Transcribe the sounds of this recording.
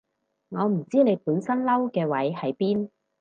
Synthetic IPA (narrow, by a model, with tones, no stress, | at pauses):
ŋɔː˨˧m̩˨˩t͡siː˥ne˨˧jpuː˨˥nsɐ˥nlɐ˥wkɛː˧wɐ˨˥jhɐ˨˥jpiː˥n